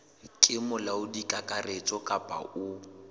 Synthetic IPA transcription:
kʼɪmʊlaʊdikʼakʼaret͡sʼɔkʼapʼa̰ʊ

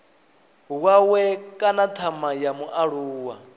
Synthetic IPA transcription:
ɦwawɛkʼanatʰamajamuʔaɺuːwa

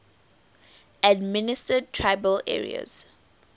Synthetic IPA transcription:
admɪnɪstəd̚tʰɹaɪbəlɛ̰ɹḭa̰z̥

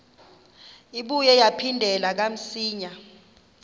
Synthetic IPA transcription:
iɓujɛjapʰindʱɛlak̬am̩siːɲa

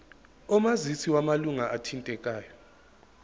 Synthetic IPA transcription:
ɔmazit͡sʰiwamaluŋaʔatʰintʼɛkʼaːjɔ

